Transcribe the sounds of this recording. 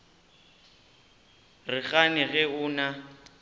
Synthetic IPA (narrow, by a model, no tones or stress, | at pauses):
rɪɣanɪɣɛʊːna